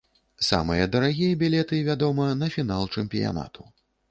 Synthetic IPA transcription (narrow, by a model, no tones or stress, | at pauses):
sa̰mɨjɐd̪ɐɾaɣʲijɐbʲilʲɛt̪ɨvʲad̪ɔmɐnɐfʲinalˠt͡ʂɛmʲpʲija̰na̰t̪u̥